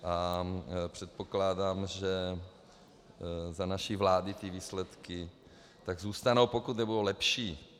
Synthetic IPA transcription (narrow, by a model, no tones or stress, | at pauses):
ʔa | pr̝̥ɛt̪̚po̞klaːdaːmʒɛ | zanaʃivlaːdɪt̪ɪviːslɛt̪kɪ | t̪aɡzuːst̪anowpo̞kut̪nɛbudowlɛpʃiː